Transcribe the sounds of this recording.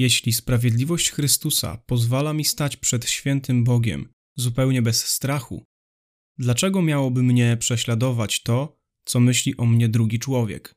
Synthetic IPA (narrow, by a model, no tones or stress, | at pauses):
jɛɕlʲispɾavʲjɛd̪lʲivɔɕt͡ɕxɾɘst̪usa̰pɔzvalamʲist̪at͡ɕpʂɛt̪ɕfʲjɛnt̪ɘmbɔɡʲɛ̰m | zupɛwɲɛbɛsːt̪ɾaxṵ | d̪lat͡ʂɛɡɔmʲjawɔbɘmɲɛpʂɛɕlad̪ɔvat͡ɕt̪ɔ | t̪sɔmɘɕlʲiʔɔmɲɛd̪ɾuɡʲit͡ʂwɔvʲjɛ̰k